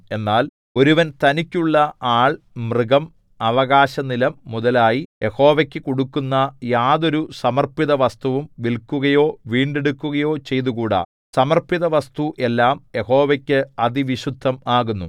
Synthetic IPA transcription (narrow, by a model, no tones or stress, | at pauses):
e̞nːaːl | o̞ɾuʋɐnt̪ɐnikʲːuɭːɐaːɭ | mriɡɐm | ɐʋɐɣaːɕɐnilɐmːuðɐlaːjijʔe̞ho̞ːʋɐkʲːɨkoɽukːunːɐjaːðo̞ɾusɐmɐrpiðɐʋɐst̪uʋumʋilkːuɣɐjo̞ːʋiːɳɖeɽukːuɣɐjo̞ːt͡ɕe̞jt̪uɣuːɽa̰ | sɐmɐrpiðɐʋɐst̪uʔe̞lːaːmje̞ho̞ːʋɐkʲːɨɐd̪iʋiɕud̪ʱːɐmaːɣunːṵ